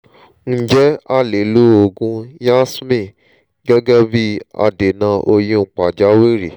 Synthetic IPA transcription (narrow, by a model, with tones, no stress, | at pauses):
n̩˦d͡ʒɛ˦a˦˨le˨lu˦o˧ɡũ˧ja˦smĩ˦˨ | ɡɛ˦ɡɛ˦bi˦a̰˧de˨nã˧ʔo˧jĩ˦ŋ͡m̩˨k͡pa˨d͡ʒa˨˦we˦ɾi˨